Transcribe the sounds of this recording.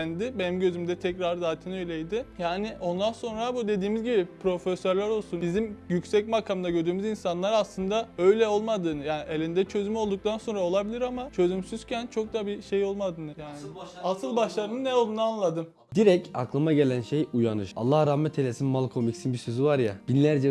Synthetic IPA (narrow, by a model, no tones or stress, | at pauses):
nd̪ɪbenimɟø̞zymd̪ɛt̪ʰɛcɾaɾd̪aːt̪ʰinø̞jlʲɛjd̪ɪjaːniʔo̞nd̪anso̞nɾabud̪e̞d̪iːmizɟibipʰɾo̞fɛsøɾlʲæɾo̞lˠsunbizimjycsɛcmakʰamd̪aɟø̞ɾd̪yːmizinsanlˠaɾaslˠɯnd̪aø̞jlʲɛo̞lˠmad̪ɯːnɯjaːnielʲind̪ɛt͡ʃʰø̞zymo̞lˠd̪uk̚t̪ʰanso̞nɾao̞lˠabilʲiɾamat͡ʃʰø̞zymsyz̥cʰænt͡ʃʰo̞k̚td̪abiʃe̞jo̞lˠmad̪ɯːnɯjaːnasɯlˠbaʃlˠaɾɯnɯnːɛolˠd̪unaanlˠad̪ɯm | d̪iɾɛca̰klˠamaɟe̞lʲænʃejujanɯʃa̰lˠːahɾahmɛt̪ʰelʲesinmalˠkʰomicsinbisøzivaɾja̰b̥inlʲæɾd͡ʒɛ